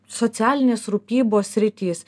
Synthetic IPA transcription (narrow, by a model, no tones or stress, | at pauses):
sot̪sʲæːlʲɪnʲeːsɾʊpʲiːboːsʲɾʲɪt̪ʲiːs